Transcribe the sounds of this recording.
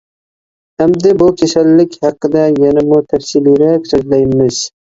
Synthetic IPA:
hamd̪abʊkʲʰesalːɪkʲhɑqːɨd̪ajanamʊt̪ʰafsiliɾakʲsɵzlajmɪz̥

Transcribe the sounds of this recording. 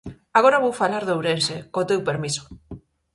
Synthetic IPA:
aɣoɾaβowfalaɾðowɾensekot̪ewpeɾmiso̥

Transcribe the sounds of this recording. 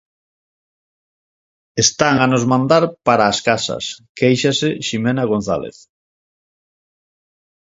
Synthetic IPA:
est̪aŋanozmãnd̪aɾpaɾaːskasɐ̰skejʃasɪʃimenaɣ̞õn̟θa̰lḛθ

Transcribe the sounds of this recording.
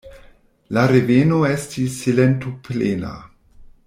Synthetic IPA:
laɾevenoestisːilentoplena̰

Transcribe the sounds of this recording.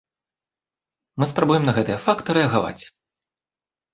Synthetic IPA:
mɨspɾabujɛmnɐɣɛt̪ɨjɛfakt̪ɨɾɛɐɣava̰t͡sʲ

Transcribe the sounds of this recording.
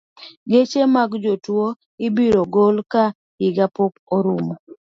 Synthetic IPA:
ɡet͡ʃemaɡd͡ʒotwo | ɪbiɾoɡolka | hɪɡapokoɾumo

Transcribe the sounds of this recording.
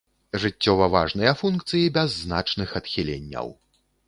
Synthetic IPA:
ʐɨt͡sʲːɔvɐvaʐnɨjɐfunkt̪sɨjibʲɛzːna̰t͡ʂnɨxɐt̪xʲilʲḛnʲːɐ̰w

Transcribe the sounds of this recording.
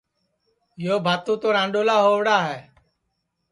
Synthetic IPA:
joːbʱaːt̪ũːt̪oːɾãːɳɖoːlaːɦoːʋɽaːɦɛː

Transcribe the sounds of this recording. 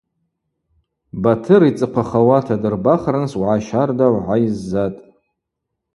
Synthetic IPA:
batʰɨɾit͡sʼɨqʷʰaχawatʰadɨrbaχranswʕaʃardawʷʕajizːatʼ

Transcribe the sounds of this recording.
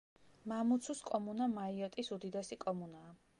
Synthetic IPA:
mamut̪sʰuskʼɔmunamaiɔt̪ʼisud̪id̪ɛsikʼɔmunaː

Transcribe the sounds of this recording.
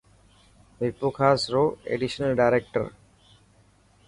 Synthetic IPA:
ʋipːukʰaːsɾoːḛɖiʃənəlɖaɪɾek̚ʈə̰ɾ

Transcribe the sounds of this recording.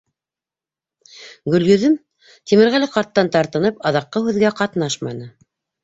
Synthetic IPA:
ɡɵ̆lɡɵ̆ðɘm | t̪imɘ̆ɾʁælɘqɑɾt̪ːɑnt̪ɑɾt̪ɤ̆nɤpɑðɑqːɤhʉðɡæqɑt̪nɑʃmɑnɤ

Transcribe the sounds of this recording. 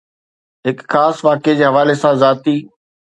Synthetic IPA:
ɦɪkxaːsʋaːked͡ʑeːɦɐʋaːlesãzaːt̪iː

